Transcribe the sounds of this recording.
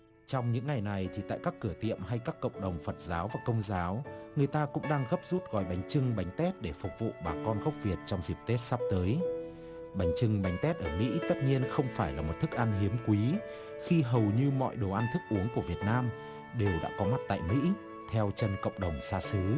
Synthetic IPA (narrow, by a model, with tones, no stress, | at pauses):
t͡ɕɔ˧wŋ͡mɲɨ̰˧˥ŋːa˨˩jna˨˩jt̪ʰi˨˩t̪a̰ː˧˨jkaː˦˥kːɨ˧˩ət̪ḭ˧˨əmɦa˧jkaː˦˥kːə̰˧˨wŋ͡mɗə˨˩wŋ͡mfə˨˩t̚zaː˨˦wvaː˨˩kə˧wŋ͡mzaː˨˦wŋɨ˨˩əjt̪aː˧kʊ̰˧˥ŋ͡mɗaː˧ŋɣə˦˥p̚zu˦˥t̚ɣɔ̰˧˩jɓa˨˦jŋ̟t͡ɕɨ˧ŋɓa˨˦jŋ̟t̪ɛ˦˥t̚ɗe˧˩fʊ˨˩k͡p̚vṵ˧˨ɓaː˨˩kɔ˧nɣə˦˥wk͡p̚vi˨˩ət̚t͡ɕɔ˧wŋ͡mzi˨˩p̚t̪e˦˥t̚sa˦˥p̚t̪əː˨˦j | ɓa˨˦jŋ̟t͡ɕɨ˧ŋɓa˨˦jŋ̟t̪ɛ˦˥t̚ʔəː˧˩mḭ˧˥t̪ə˦˥t̚ɲi˧ənxə˧wŋ͡mfaː˧˩jlaː˨˩mo˨˩t̚t̪ʰɨ˦˥k̚ʔa˧nɦi˨˦əmkwi˨˦ | xi˧ɦə˨˩wɲɨ˧mɔ̰˧˨jɗo˨˩wʔa˧nt̪ʰɨ˦˥k̚ʔu˨˦əŋku˧˩vi˨˩ət̚naː˧m | ɗe˨˩wɗa̰ː˧˥kɔ˨˦ma˦˥t̚t̪a̰ː˧˨jmḭ˧˥ | t̪ʰɛ˧wt͡ɕə˧˩nkə̰˧˨wŋ͡mɗə˨˩wŋ͡msaː˧sɨ˨˦